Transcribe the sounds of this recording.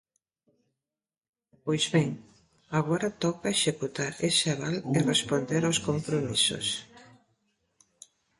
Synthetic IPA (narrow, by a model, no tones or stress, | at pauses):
pojzβɛŋ | aɣɔɾat̪ɔkaeʃekut̪aɾesaβalerespond̪eɾawskompɾomiso̰s